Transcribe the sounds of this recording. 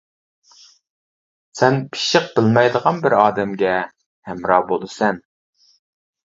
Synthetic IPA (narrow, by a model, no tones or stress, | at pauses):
sɛnpʰi̥ʃɪq̚bɪlmɛjd̪əʁɑnbɪɾɑːd̪ɛmɡʲɛ | hɛmɾɑːbolˠɨsɛn